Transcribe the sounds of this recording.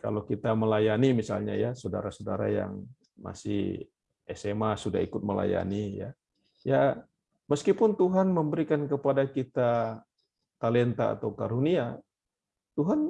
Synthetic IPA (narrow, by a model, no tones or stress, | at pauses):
ka̰lawkit̪aməlajanimisa̰lɲajasoda̰ɾasodaɾa̰ja̰ŋ | ma̰sɪ̰h | ɛsemasuda̰ikʊt̪̚məla̰ja̰nija̰ | ja | məskipʊnt̪uɦanməmbəɾikankəpadakit̪a | t̪alɛnt̪a̰ːt̪awkaɾunia | t̪uɦan